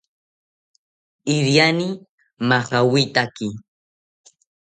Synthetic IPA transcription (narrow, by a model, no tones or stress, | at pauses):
ɪɾjani | maχawɪt̪akɪ